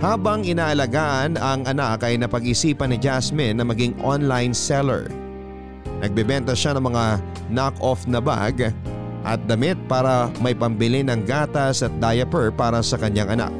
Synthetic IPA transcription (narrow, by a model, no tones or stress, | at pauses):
haːbɐŋɪnaːʔɐlɐɡaːʔɐnɐŋʔɐnakɐjnɐpɐɡ̚ʔɪsiːpɐnɪd͡ʒasmɛnːɐmɐɡiŋʔonlajnsɛlɛ̰ɹ | nɐɡ̚bɛbɛnt̪ɐʃanɐŋmɐŋa | nakofnɐba̰ɡ | ʔɐ̰t̪̚d̪ɐmɪt̪̚paːɾɐmɐjpɐmbɪlɪnɐŋɡaːt̪ɐsɐt̪̚d̪aːjɐpɛɹpaːɾɐsɐkɐɲaŋʔɐna̰k̚